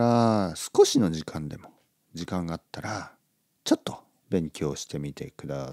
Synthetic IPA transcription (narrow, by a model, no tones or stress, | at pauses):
ɾasɨ̥ko̞ɕino̞ʑikʰãnd̪e̞mo̞ | d͡ʑikãŋɡaːt̪ːaɾa | t͡ɕo̞t̪ːo̞ | bẽ̞ŋkʲo̞ːɕi̥t̪e̞mʲit̪e̞̰kɯ̟d̪a